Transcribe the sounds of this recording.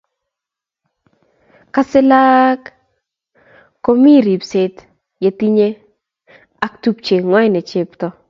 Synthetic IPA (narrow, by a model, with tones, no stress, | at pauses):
ka˦sɪ˦la˦k | o˦mi˦˨ɾi˨pse˦t | je˨˦ti˦ɲe˦ | a˨k̚tu˨pt͡ʃe˨ŋwɔ˦jnɛ˨t͡ʃe˦˨ptɔ˦